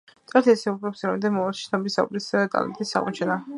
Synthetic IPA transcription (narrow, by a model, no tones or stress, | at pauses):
t̪ʼɛɾt̪ʰɛsɛubɾɔpsɾamd̪ɛmɔaʃi̥snɔbisa̰bʼɾisk̪ʼa̰lɛ̰t̪ʼisːa̰ʁʼɔ̰t͡ʃʰɛna